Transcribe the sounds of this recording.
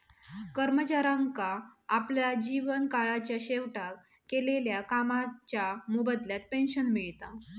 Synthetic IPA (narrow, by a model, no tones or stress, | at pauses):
kəɾmət͡ɕaɾãŋkaːpljad͡ʑiʋənkaɭat͡ɕjaɕeʋʈak | kːeleljakamat͡ɕjamubəd̪ljat̪̚penɕənmiɭt̪a